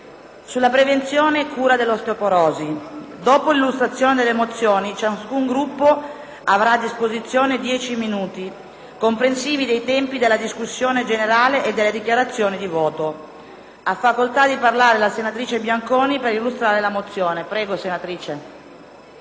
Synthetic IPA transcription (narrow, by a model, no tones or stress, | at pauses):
sulːapɾevent̪sjoːnekʰuːɾad̪elːost̪opoɾɔːzid̪oːpolilːust̪ɾat̪sːjoːned̪elːemot̪sːjoːnit͡ʃasskuŋɡɾupːo | avɾaːd̪ːispozit̪sːjoːned̪jɛːt͡ʃiminuːt̪i | kompɾensiːvid̪ejt̪ɛmpid̪elːad̪iskusːjoːned͡ʒeneɾaːleʔːd̪ːelːed̪ikjaɾat̪sːjoːnid̪ivɔːt̪o | afːakolt̪ad̪iparlaːɾelasenat̪ɾiːt͡ʃebjaŋkoːnipeɾilːust̪ɾaːɾelamot̪sːjoːnepɾɛːɡosenat̪ɾiːt͡ʃe